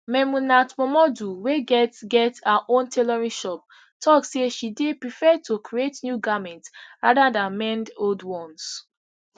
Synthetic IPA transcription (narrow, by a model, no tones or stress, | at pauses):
mɛmunatmɔmɔduweɡɛtɡɛtaʔõntʰelɔɹĩnʃɔp̚ | tʰɔkseʃidepɹifɛtʰokʰɹietnjuɡamɛ̃ntɹadadãnmɛ̃ndoldwɔ̃ns